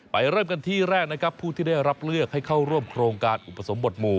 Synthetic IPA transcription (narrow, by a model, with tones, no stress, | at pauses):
pa˧jɾɤː˥˩mka˧nt̪ʰiː˥˩ɾɛː˥˩k̚na˦˥kʰɾa˦˥pʰːuː˥˩t̪ʰiː˥˩da˥˩jɾa˦˥p̚lɯ˥˩ək̚ha˥˩jkʰa˥˩wɾu˥˩əmkʰɾoː˧ŋkaː˧nʔu˨˩pːa˧˩so˩˦mbo˨˩t̪̚muː˧˩